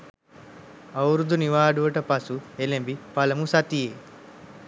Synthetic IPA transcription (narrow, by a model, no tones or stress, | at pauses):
ɐwɾud̪uniʋaːɖuʋɐʈɐpɐsuelembipɐlɐmusɐt̪ie